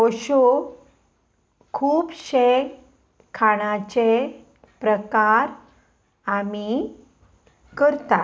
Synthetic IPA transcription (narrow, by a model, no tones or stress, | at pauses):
ɔɕo | kʰuːpɕe | kʰaɽ̃at͡ɕe | pɾəkaɾ | ami | kəɾt̪a